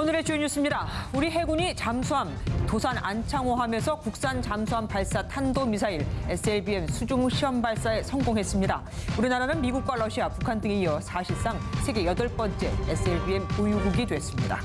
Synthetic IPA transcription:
onɯɾe̞t͡ɕueɲjus͈ʰɯmɲidauɾiɦe̞ɡuɲit͡ɕamsʰoɦamtosʰanʔa̰nt͡ɕʰaŋoɦamjʌnsʰʌkuk̚s͈ant͡ɕamsʰoɦampaɭs͈atʰandomisʰaiɾes͈ʰɯebie̞msʰud͡ʑuŋɕʰiʌmbaɭs͈ae̞sʰʌŋɡoŋɦe̞s͈ɯmɲida | uɾinaɾanɯnmiɡuk̚k͈waɾʌɕʰiapukʰandɯŋeijʌsʰaɕʰiɭs͈aŋsʰe̞ɡe̞jʌdʌɭp͈ʌnt͡ɕ͈e̞es͈ʰɯeɭbie̞mkojuɡuɡidwe̞s͈ɯmɲida̰

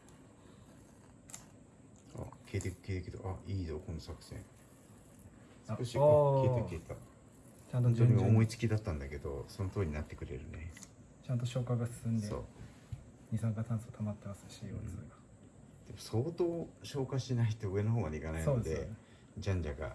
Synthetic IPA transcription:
a̰kʰe̞ːt̪ekɯ̟̥keːt̪eked̪o̰ʔaiːd̪okonosakɯ̟̥sḛ̃ɴ | skoɕikeːt̪ekeːt̪a | t͡ɕãnt̪onoɲimomo̞it͡sɨ̥kʲid̪at̪ːãnd̪ake̞d̪o̞sonot̪oːɲ̟inat̪ːe̞̥kɯ̟ɾe̞̰ɾɯ̟ne̞̰ | t͡ɕãnt̪̬o̞ɕo̞ːkaɡasɨ̥sɨ̃nd̪eo̰ː | ɲ̟isãŋkat̪ãñsɨat̪ʰamat̪ːemasɨ̥ɕiosoɾeɡa | d̪̥e̞mo̞soːt̪o̞ːɕo̞ːkaɕinait̪o̞ɯ̟e̞noɦoːɡad̪eikanainsodoed̪e | d͡ʑãɲ̟d͡ʑaɡa̰

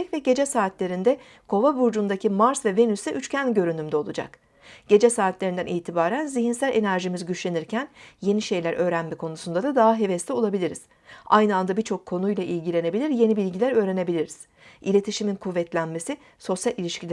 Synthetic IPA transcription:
vɛɟe̞d͡ʒɛsaːt̪lʲe̞ɾind̪ɛ | kʰo̞vabuɾd͡ʒund̪acʰimaɾsvɛve̞nysɛʔyt͡ʃcʰænɟø̞ɾynymd̪ɛo̞lˠud͡ʒa̰k | ɟ̥e̞d͡ʒɛsaːt̪lʲe̞ɾind̪æ̰niːt̪ʰibaːɾænziçinsælʲʔe̞næɾʒimizɟyt͡ʃlʲeniɾcʰænje̞niʃe̞jlʲæɾʔø̞ːɾænmɛkʰo̞nusund̪ad̪ad̪aɦaɦe̞vɛslʲio̞lˠabilʲiɾiz̥ | a̰jnɯand̪abiɾt͡ʃʰo̞kʰːo̞nujlˠaʔilʲɟilʲe̞ne̞bilʲiɾje̞nibilʲɟilʲæɾø̞ːɾe̞ne̞bilʲiɾiz̥ | ḭlʲe̞t̪ʰiʃiminkʰuvːɛt̪lʲænme̞si | so̞sjalʲilʲiʃcilʲ

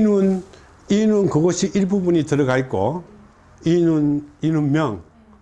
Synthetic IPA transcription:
inun | inunkɯɡosiʔiɾbubunitɯɾɯɡaik͈ːɔ̰ | inuninunmjʌŋ

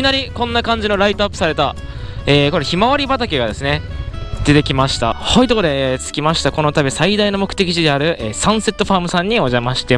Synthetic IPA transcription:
inaɾʲikõ̞nːakãɲ̟d͡ʑino̞ɾait̪oapːɯ̥saɾe̞t̪aeːko̞ɾe̞çimaβaɾʲibat̪akʲe̞ɡad̪e̞sɨne̞d̪̥e̞t̪e̞kʲimaɕi̥t̪ahoit̪o̞kd̪e̞t͡sɨ̥kʲimaɕi̥t̪ako̞no̞t̪abʲisaid̪aino̞mo̞kɯ̥t̪e̞kʲiʑid̪e̞aɾɯ̟ʔeːsãɰ̃se̞t̪ːo̞ɸaːmɯ̟sãɲ̟ːio̞ʑamaɕi̥t̪e

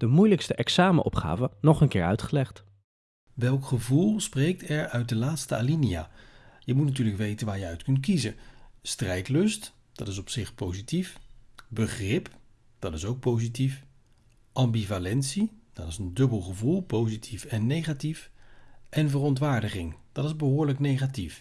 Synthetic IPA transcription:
d̥əmujləkstəʔɛksaːməʔɔ̰pχa̰ːvənɔχənkɪːɹœ̰ɥtχəlɛχt | ʋɛlˠkχəvulˠsprejk̚tɛɹœɥt̚dəlaːtstəalinija̰ːjəmutnat̬yːɹləkʋejtənʋaːɹjəœɥtkɵntkizəstrɛjtlɵst | d̥ɑtɪsɔpsɪχpowzitifbəχrɪp | d̥ɑtɪsowk̚powzitif | ʔɑmbivalɛntsid̥ɑtɪzəndɵbəlˠχəvulˠpowzitʰifɛnːejχatifʔɛnvərɔntʋaːɹdəχɪŋd̥ɑtɪzbəɦʊːɹləknejχatif

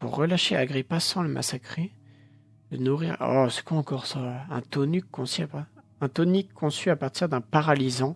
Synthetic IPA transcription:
puʁːəlaʃea̰ɡʁipasɑ̃ləmʔa̰sakχe | lənuʁiʁɔ̰sɛ̥kuɑ̃kɔʁsaɛ̰̃t̪ɔnykʰːɔ̃sya | ɛ̃t̪ɔnikʰːɔ̃syapaʁt̪iʁd̪ɛ̃paʁalizɑ̃

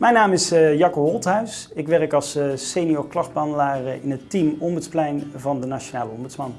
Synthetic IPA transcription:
mɛjnaːmɪsjɑkoɦɔlˠtɦœɥsɪkʋɛrəkɑlˠssejnioːɹklɑχdbəɑndəlaːrɪnɦətimɔmbətsplɛjnvɑndənaʃonaːləɔmbʉtsmɑn

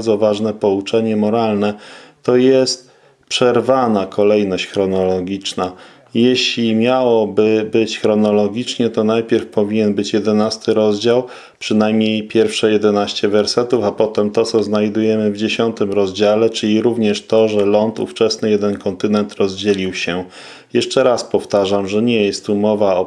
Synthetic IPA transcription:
zɔvaʐnɛpɔut͡ʂɛɲɛmɔɾalnɛt̪ɔjɛst̪̚ | pʂɛɾvanakʰɔlɛjnɔɕt͡ɕxɾɔnɔlɔɡʲit͡ʂna | jɛɕlʲimʲjawɔbɘbɘt͡ɕxɾɔnɔlɔɡʲit͡ʂɲɛt̪ɔnajpʲjɛɾfpɔvʲiɲɛnbɘt͡ɕjɛd̪ɛnast̪ɘɾɔzd͡ʑaw | pʂɘnajmɲejpʲjɛɾfʂɛjɛd̪ɛnaɕt͡ɕɛvɛɾsɛt̪ufapɔt̪ɛmt̪ɔt̪sɔznajd̪ujɛmɘvd͡ʑeɕɔnt̪ɘmɾɔzd͡ʑalɛt͡ʂɘlʲiɾuvɲɛʂt̪ɔʐɛlɔnt̪ṵft͡ʂɛsnɘjɛd̪ɛnkɔnt̪ɘnɛnt̪ɾɔzd͡ʑɛlʲiwɕɛ | jɛʂt͡ʂɛɾaspɔft̪aʐamʐɛɲɛjɛst̪ːumɔvaɔ

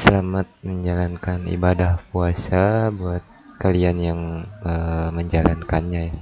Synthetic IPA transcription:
səlamat̪̚məɲd͡ʒalankanḭbadahpuasabuat̪̚kalianjaŋəməɲd͡ʒalankanɲaja

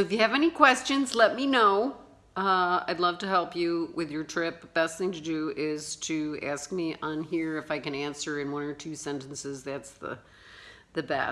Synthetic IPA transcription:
ɨfjɨːvɛnikʰw̥ɛst͡ʃɨ̃nzlɛt̚minoʊ | a̰ɪdˡlʌv̥tɨhɛlˠpjɨwɪðjə˞tʰɹ̥ɪp̚bb̥ɛst̪̚θɪ̃ŋtʰɨdɨɪz̥tʰɨæ̰sk̚miʔə̃nɦiɹɨfaɪkɨ̃næ̃nsə˞ɨ̃nwʌ̃nə˞tʰʉsɛ̃ntn̩sɨzðætsðə̰ | ðɨbɛ̰

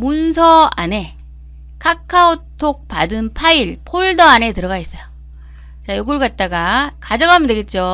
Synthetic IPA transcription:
munsʰʌa̰ne̞ | kʰakʰaotʰok̚p͈adɯnpʰaiɭpʰoɭdʌane̞tɯɾʌɡais͈ʌjo | t͡ɕajoɡɯɭɡat̚t͈aɡakad͡ʑʌɡaɦamʌndweɡet̚t͡ɕ͈o

